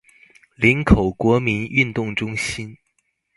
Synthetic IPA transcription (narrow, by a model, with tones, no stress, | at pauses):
li˧˥nkʰo˨˩ʊkwɔ˧˥mi˧˥ny˥˧nt̪ʊ˥˩ŋʈ͡ʂʊ˥ŋɕi˥n